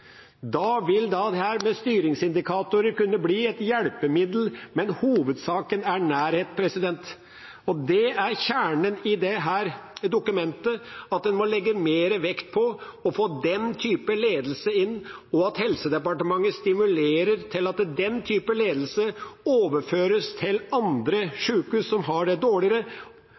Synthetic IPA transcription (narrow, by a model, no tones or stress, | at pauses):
d̪ɑːʋɪld̪ɑːd̪hæːɾmɛst̪yːɾɪŋsɪnd̪ɪkʰɑːt̪ʊɾəɾkʉnːəbliːɛt̪jɛɽpəmɪd̪l̩mɛnhuːʋəd̪sɑːkənæɳæːɾheːt̪pʰɾɛsɪd̪ɛnt̪ | ɔd̪ɛæɾçæːɳənɪd̪ɛɦæːɾd̪ʊkʉmɛnt̪əɑt̪̚d̪ɛnmɔlɛɡːəmeːɾəʋɛkt̪̚pʰɔɔfoːd̪ɛnt̪ʰyːpəleːd̪əl̩səɪnːɔɑt̪hɛlsəd̪ɛpɑʈəmɑŋːəst̪ɪmʉleːɾəɾt̪ʰɪlɑt̪d̪ɛnt̪ʰyːpəleːd̪l̩səoːʋəɾføːɾəst̪ʰɪlɑnd̪ɾəʂʉːkʉssɔmɦɑɖɛd̪oːɭɪəɾə